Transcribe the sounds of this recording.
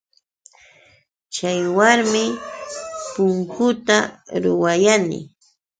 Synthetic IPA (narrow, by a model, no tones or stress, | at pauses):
t͡ʃajwaɾmɪ | pʊŋkʊt̪aɾʊwajanɪ̰